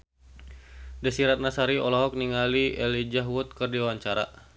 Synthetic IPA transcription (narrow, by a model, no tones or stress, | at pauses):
dasiɾat̪̚nasaɾiɔlɔɦɔk̚niŋaliʔɛlid͡ʒaɦwut̪̚kɨrdiwaɲt͡ʃaɾa̰